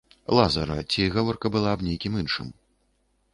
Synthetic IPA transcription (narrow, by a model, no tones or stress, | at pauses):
lˠazɐɾɐ̰t͡sʲiɣavɔrkɐbɨlˠabnʲejkʲimɨnʂɨ̰m